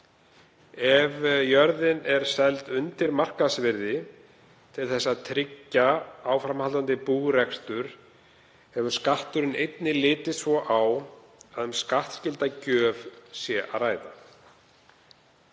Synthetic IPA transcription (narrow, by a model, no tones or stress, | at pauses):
ɛvjœɾðɪnɛɾ̥sɛlt̪ʏnt̪ɪɾmar̥kasvɪɾðɪ | t̪ʰɪlθɛsːaðt̪ʰɾɪcːaaːwfɾamhalt̪ant̪ɪpuːɣrɛkst̪ʏɾ̥ | hɛvʏ̥skaht̪ʏɾɪnejt̪nɪlɪːt̪ɪsvɔʔaw | aðʏmskaht̪scɪlt̪acœːvsjɛʔa̰ðraːjða